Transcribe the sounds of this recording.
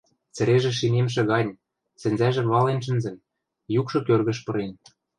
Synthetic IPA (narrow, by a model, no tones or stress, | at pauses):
t͡sɘ̆ɾeʒĕʃinemʃ̬ĕɣɑnʲ | sɘ̆nʲzæʒɘ̆mβɑlenʃ̬ɘ̆nzɘ̆m | jukʃɤ̆kørɣə̆ʃpɤ̆ɾen